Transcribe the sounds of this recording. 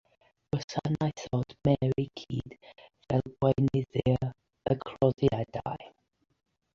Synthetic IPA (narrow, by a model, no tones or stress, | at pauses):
əsanajθɔd̥mɛɾikʰiːd̥vɛlˠɡwejnɪðɪ | əɡʰrɔðjad̥a̰j